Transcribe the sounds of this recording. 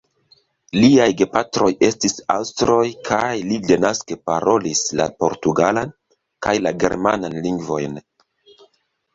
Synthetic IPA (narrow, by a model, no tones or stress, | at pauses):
liajɡe̞patɾo̞je̞stisa̰wstɾo̞jkʰajlide̞naskepaɾo̞lisla̰po̞ɾtuɡalan | kajlaɡe̞̰ɾma̰nanliŋɡvo̞jn